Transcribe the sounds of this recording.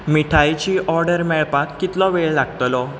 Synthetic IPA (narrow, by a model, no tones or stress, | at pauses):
miʈʰajt͡ɕiːʔɔɾɖəɾmɛɭpakːit̪lɔʋeɭlaɡt̪lɔ